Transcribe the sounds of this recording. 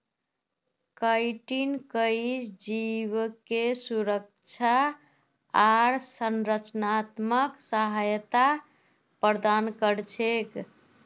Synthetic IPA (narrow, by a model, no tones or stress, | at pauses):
kəjʈinkəisd͡ʒiβkesuɾək̚t͡ʃʰa | aɾsənɾət͡ʃnat̪məksəɦajt̪a | pəɾd̪ankəɾt͡ʃʰek